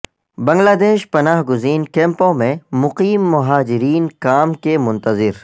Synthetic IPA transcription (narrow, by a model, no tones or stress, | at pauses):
bɐ̃ŋɡlaːd̪eːʃpɐnaːɦɡʊziːnkẽːmpõmẽmʊqiːmːʊɦaːd͡ʒɪɾiːnkaːmkemʊ̃nt̪əzɪɾ